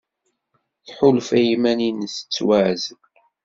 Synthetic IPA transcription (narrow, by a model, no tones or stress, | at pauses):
θħʊlfæjimæninsə̥t͡sːwæʕz